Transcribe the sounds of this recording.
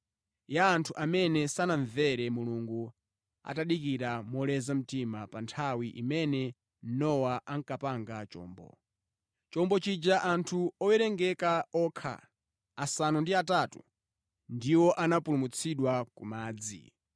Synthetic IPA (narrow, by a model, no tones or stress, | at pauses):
jaːntʰuʔamɛnɛsanaɱvɛɾɛmuluŋɡu | a̰taɗikiɾamɔlɛzam̩timapantʰawiʔimɛnɛ | nɔwaʔaŋkapaŋɡat͡ʃɔ̰ːmbɔ̰ | t͡ʃɔmbɔt͡ʃid͡ʒaʔantʰuɔwɛɾɛŋɡɛkaɔkʰa̰ː | sanundiatatu | ndiwɔʔanapulumut͡sʰiɗwakumaːd͡zḭ